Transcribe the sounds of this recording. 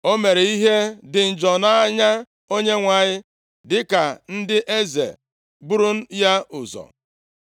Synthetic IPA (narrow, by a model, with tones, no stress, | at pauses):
o˦me˨ɾe˨i˦ɦe˦dɪ˨n̩˨d͡ʒɔ˨na˦a˦ɲa˦ | o˦ɲe˦ŋʷa˨ɲɪ˦ | dɪ˦ka˨n̩˦dɪ˦ʔe˦zḛ˨ | bu˦ɾu˦n̩˦ja˦ʊ˨zɔ̰˨